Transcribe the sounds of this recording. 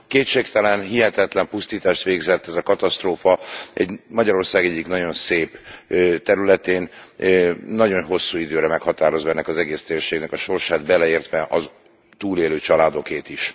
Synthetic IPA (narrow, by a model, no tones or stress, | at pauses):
keːtʃeːkt̪ɛlɛnɦiɦɛt̪ɛt̪lɛmpust̪iːt̪aːʃt̪ʋeːɡzɛt̪ːɛzɒkɒt̪ɒst̪roːfɒɛ̰ɟmɒɟɒɾo̞rsaːɡɛɟːiknɒɟo̞nseːpt̪ɛɾylɛt̪eːnː | ɒɟo̞nɦo̞sːuːid̪øːɾɛmɛkhɒt̪aːɾo̞zoːɛnːɛkɒzɛɡeːst̪eːrʃeːɡnɛkɒʃo̞rʃaːd̪bɛlɛeːrt̪ʋɛʔɒ | t̪uːleːløːt͡ʃɒlaːd̪o̞keːt̪iʃ